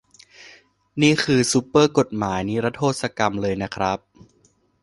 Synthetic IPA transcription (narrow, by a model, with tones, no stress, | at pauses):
niː˥˩kʰɯː˧su˦˥pːɤː˥˩ko˨˩t̪̚maː˩˦jniː˦˥ɾa˦˥t̪ʰːoː˥˩t̪̚sa˧ka˧mlɤː˧jna˦˥kʰɾa˦˥p̚